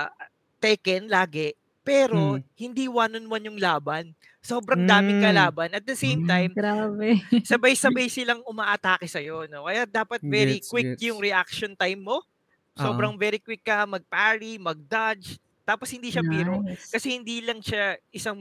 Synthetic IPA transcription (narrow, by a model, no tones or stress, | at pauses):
t̪ɛkɛnlaːɡɛ | pɛːɾo̞hɪnd̪iwaːnonwanjʊŋlaːbɐn | so̞ːbɾɐŋd̪aːmɪkɐlaːbɐnɐt̪̚d̪ɐsejmt̪ajmabɛsɐbajsɐbajsɪlɐŋʊmaːʔɐt̪aːkɪsɐjo̞no̞kɐjad̪aːpɐt̪̚vɛːɾikwɪkjʊŋɾɛʔak̚ʃont̪ajmːo̞ | so̞ːbɾɐŋvɛːɾikwɪkːɐmɐɡ̚paɹimɐɡ̚d̪ad͡ʒ | t̪aːposhɪnd̪iːʃɐpiːɾokɐsɛhɪnd̪iːlɐŋʃaʔɪsɐŋ